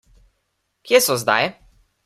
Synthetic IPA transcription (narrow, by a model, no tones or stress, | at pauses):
kʲjɛsɔzd̪a̰jɛ